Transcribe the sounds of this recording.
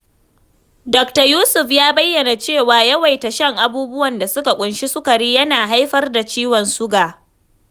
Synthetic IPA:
dɔ˨k̚tɐ˨juː˦sʊ˨ɸjaː˦bɐ˦jːɐ˨na˨t͡ʃeː˦˨waː˨jɐ˦wa˨jta˨ʃɐ˦ŋʔa˦buː˦bʊ˦wɐ˨nda˨sʊ˦ka˨kʷʼʊ˨nʃi˦sʊ˦kɐ˨ɽiː˦jɐ˦naː˨ɦa˦jɸɐ˦rda˨t͡ʃiː˦wɔ˨nsʊ˦ɡaː˨

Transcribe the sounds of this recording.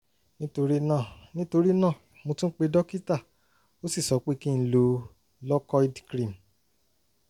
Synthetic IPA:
nĩ˦to˧ɾi˦nãː˦˨nĩ˦to˧ɾi˦nã˦˨ | mõ˧tũ˦k͡pe˧dɔ˦ki˦ta˦˨ | o˦si˦˨sɔ˨˦k͡pe˦kĩ˦n̩˦lo˧ | lɔ˦kɔ˦i˦dkɾĩ˦˨m

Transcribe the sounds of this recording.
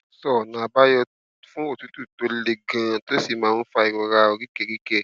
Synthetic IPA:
sɔ˦˨nã˨ba˦jɔ˧ | fũ˦o˦˨tu˨˦tu˦˨to˧le˨ɡã˨˧to˦si˦˨mãː˨˦n̩˦fa˧i˨ɾɔ˨ɾa˧o˧ɾi˦kɛ˦˨ɾi˦kɛ˦˨

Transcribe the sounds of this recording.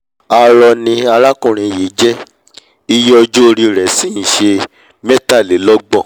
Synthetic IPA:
a˧ɾɔ˧nĩ˧a˧ɾa˦kũ˦˨ɾ̃ĩ˧˨je˨˦d͡ʒɛ˦ | i˧jɔ˧d͡ʒo˦o˧ɾi˧ɾɛ˨˦sĩ˦ñ̩˨ʃe˧ | mɛ˦ta˦˨le˨˦lɔ˦ɡ͡bɔ˦˨

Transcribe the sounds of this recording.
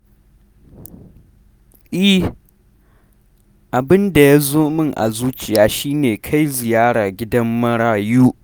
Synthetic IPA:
ʔɪ˦ | ʔa˨bɪ˦nda˨ja˦zoː˦mɪ˦ŋʔa̰˨zuː˦t͡ʃɪ˨jaː˨˦ʃiː˦neː˨kʰa˦jzɪ˨jaː˦ɽaː˨ɡʲɪ˦dɐ˦mːɐ˦ɽaː˨juː˦

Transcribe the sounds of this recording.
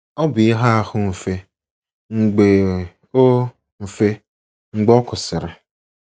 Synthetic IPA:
ɔ˦bɪ˨ɪ˦ɦa˦a˦hʊ˦m̩˨fe˦ | ŋ͡m̩˨ɡ͡be˨ | o˦ | m̩˨fe˦ | ŋ͡m̩˦ɡ͡bɔ˦kʊ˨sɪ˨ɾɪ˨

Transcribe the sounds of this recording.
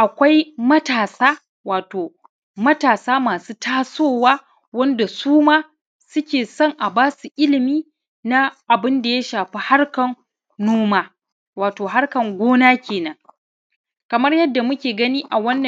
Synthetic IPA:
ʔa˨kʷa˦jmɐ˦taː˨saː˦ | waː˨toː˨ | mɐ˦taː˨saː˦maː˨suː˦tʰaː˦soː˦˨waː˦ | wɐ˦nda˨suː˦maː˦ | sʊ˦kʲeː˨sɔ˦˨ŋʔa˨baː˦su˨ʔɪ˦lɪ˨miː˦ | na˦ʔa˨bɪ˦nda˨ja˦ʃaː˨ɸi˦ha˦rkɐ˨n | noː˦maː˦ | waː˨toː˨ɦa˦rkɐ˨ŋɡʷoː˦naː˦kʲeː˨nɐ˦ŋ | kɐ˨mɐ˦rjɐ˦dːa˨mʊ˦kʲeː˨ɡɐ˦niː˦ʔa˨wɐ˦nːɐ˨

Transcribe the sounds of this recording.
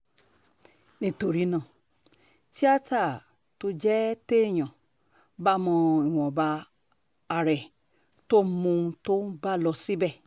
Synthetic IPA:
nĩ˨to˨ɾi˧nã˨ | ti˦a˦ta˦˨ | to˧d͡ʒɛ˦te˦˨j̃ɔ̃˨ | ba˦mɔ̃˧i˨w̃ɔ̃˨baː˧˨ | ɾɛ˨ | to˦mũ˧to˦ba˦˨lɔ˧si˦bɛ˦˨

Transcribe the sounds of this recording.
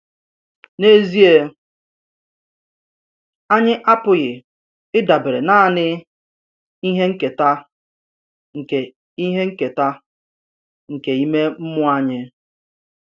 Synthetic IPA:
ne˦zi˦e˦ | a˦ɲɪ˦ʔa˦pʊ˨ɣɪ˨ | ɪ˦da˨be˨ɾe˨na˦˨nɪ˦ | i˦ɦe˦ŋ̩˦ke˨ta˦ | ŋ̩˨ke˨ | i˦ɦe˦ŋ̩˦ke˨ta˦ | ŋ̩˨ke˨i˦me˦m̩˦mʊ˦a˦ɲɪ˦

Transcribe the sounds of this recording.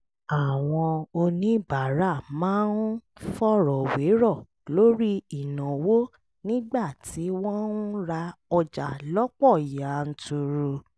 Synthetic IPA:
a˨w̃ɔ̃˧o˧nĩ˨˦ba˨ɾa˦˨mãː˨˦n̩˦fɔ˦ɾɔ˨we˨˦ɾɔ˦˨ | lo˦ɾi˦i˦˨nã˨wo˦ | nĩ˦ɡ͡ba˦˨tʰi˨˦wɔ̃˦n˦ɾa˧ɔ˧d͡ʒa˨lɔ˦k͡pɔ˦˨i˨ja˨n̩˦tu˧ɾu˧

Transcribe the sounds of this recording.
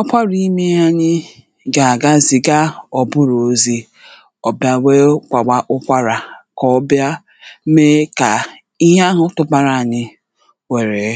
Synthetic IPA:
ɔ˦kʷa˦ɾi˦me˦a˦ɲɪ˦ | ɡa˨a˨ɡa˦zi˨ɡa˦ɔ˨bʊ˦ɾo˨˦zi˦ | ɔ˨bja˦we˦kʷa˨ɡ͡ba˦ʔʊ˦kʷa˦ɾa˨kɔ˦bja˦ | me˦ka˨ | i˦ɦe˦a˦ɦʊ˦tʊ˦ba˨ɾa˨a˨ɲɪ˦ | we˨ɾe˨

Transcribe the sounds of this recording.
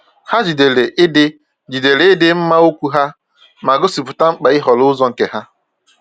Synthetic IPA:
ha˦d͡ʒi˨de˨le˨ʔɪ˦dɪ˦ | d͡ʒi˨de˨le˨˦ɪ˦dɪ˦m̩˦ma˦o˦kʷu˦ɦa˦ | ma˨ɡʊ˦si˨pʊ˨ta˦ŋ͡m̩˦k͡pa˨i˦ɦɔ˨lʊ˦zɔ˦ŋ̩˨ke˨ɦa˦

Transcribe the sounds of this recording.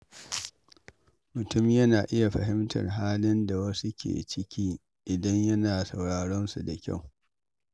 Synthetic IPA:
mʊ˨tʊ˦mjɐ˦naː˨ʔɪ˦ja˨ɸɐ̰˨ɦɪ˦mtʰɐ̰˨rɦaː˦lɪ˦nda˨wɐ˦su˦kʲḛː˨t͡ʃɪ˦kʲiː˦ | ʔɪ˨dɐ˦ɲjɐ˦naː˨sɐ˨wɽaː˨ɽɔ˦nsu˨da˨kʲa̰˦˨w

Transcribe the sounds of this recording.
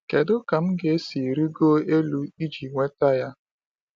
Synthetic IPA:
ke˨dʊ˦ka˨m̩˦ɡe˨e˦si˨ɾi˦ɡo˦e˦lu˦i˦d͡ʒi˨ŋʷe˦ta˦ja˦

